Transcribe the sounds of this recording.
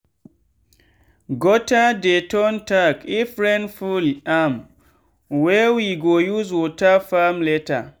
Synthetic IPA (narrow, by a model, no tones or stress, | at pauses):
ɡɔtadetɔntakifɾɛ̃ndfulam | wɛwiɡojuswɔtafamleta̰